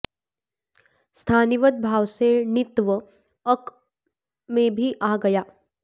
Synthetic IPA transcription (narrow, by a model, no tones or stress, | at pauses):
st̪ʰaːnɪʋət̪̚bʱaːwsenɪt̪ʋə | ək | mẽbʱiʔaːɡɐjaː